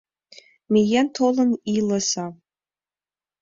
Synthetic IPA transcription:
mʲejɛnt̪ʰolˠɤ̆nilɤ̆sɑ

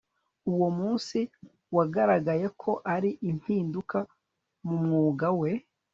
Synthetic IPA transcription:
uwo̞muːnsi | waɡaɾaɡaje̞kʰo̞ʔaɾiʔin̥hiːnduka | mumŋuːɡawe̞

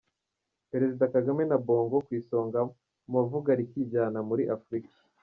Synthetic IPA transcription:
pe̞ɾe̞zidakaɡame̞nabo̞ːŋɡo̞kwiːso̞ːŋɡa | muvuɡaɾikiɟaːnamuɾiʔafuɾikḁ

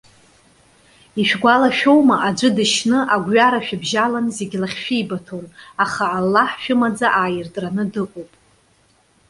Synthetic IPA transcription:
iʃᶣɡʷalaʃᶣo̞wmaʔad͡ʒʷɨdɨʃnɨʔaɡʷɥaɾaʃᶣabʒalanzeɡʲlaχʲʃᶣijbatʰonaχaːlːaħʃᶣʊmad͡zaʔaːjɪrtʼranɨdɨqʷʼowpʼ

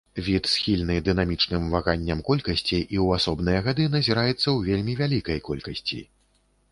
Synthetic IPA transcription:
vʲit̪sxʲilʲn̪ɨd̪ɨnamʲit͡ʂnɨmvaɣanʲːɐmkɔlʲkɐsʲt͡sʲiʔiwasɔbn̪ɨjɐɣad̪ɨn̪ɐzʲiɾajɛt̪sːɐwvʲelʲmʲivʲalʲikɐjkɔlʲkɐsʲt͡sʲḭ

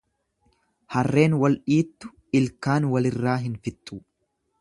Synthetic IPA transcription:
hɐrːe̞ːnwɐlᶑiːt̪ːʊ̥ | ɪlkaːnwɐlɪrːaːɦɪnfɪt̪ːuː

